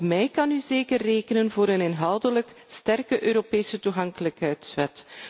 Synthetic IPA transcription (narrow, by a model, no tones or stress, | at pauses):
mɛjkɑnyzeːkərːeːkənənvoːɾənenɦɑwdələk | stɛrkəʔøːɾopeːsətuɣɑŋkələkɦɛɥtsʋɛt